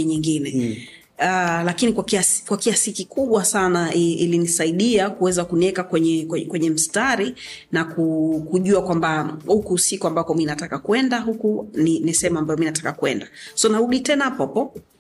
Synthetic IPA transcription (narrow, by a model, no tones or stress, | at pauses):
iɲiŋɡinɛ | alakinikwakiaskwakiasikikuɓwasanaiilinisaiɗiakuwɛzakuniɛkakwɛɲɛkɛkwɛɲɛm̩staɾinakukuʄuakwambahukusikuambakɔminatakakuɛndaɦukuninisɛɛmuambajɔminatḁkakuɛndasɔnaɾuɗitɛnaapɔpɔ